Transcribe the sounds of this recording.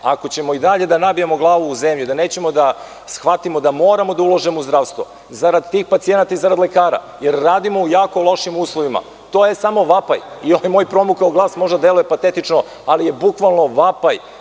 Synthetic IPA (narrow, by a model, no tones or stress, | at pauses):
a̰ko̞t͡ɕe̞mo̞id̪aʎe̞d̪anabijamo̞ɡlˠaːʋuːzemʎud̪aneːt͡ɕe̞mo̞d̪a | sxʋat̪imo̞d̪amo̞ːɾamo̞d̪aulˠoʒemouzd̪ɾaːʋst̪ʋo | zaɾad̪t̪iːxpat̪sie̞nat̪aizaɾad̪lˠe̞kaːɾa̰ | jeɾːaːd̪imo̞ujaːko̞lˠo̞ʃimuːslˠoʋima̰ | t̪ojesamo̞ʋapa̰j | ioojmo̞jpɾo̞mukaoɡlˠaːsmo̞ʒd̪ad̪e̞luje̞pat̪et̪it͡ʃno | alije̞bukʋalˠno̞ʋapaj